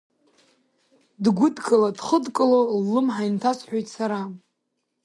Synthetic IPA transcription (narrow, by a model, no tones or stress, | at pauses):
dɡʷʊdkʼɨladχədkʼlolːɨmħajntʰasħʷᶣojtʼsaɾa